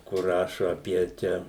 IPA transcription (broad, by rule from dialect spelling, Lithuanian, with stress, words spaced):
kʊr ˈrɑːʃoː ɐˈpʲiɛ ˈt͡ʃʲɛ